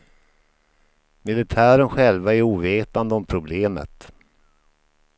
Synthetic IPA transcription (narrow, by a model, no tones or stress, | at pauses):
mɪlɪt̪ʰæːɾənɧɛlvaæɾuːveːt̪and̪əɔmpʰɾʊbleːmə̰t̪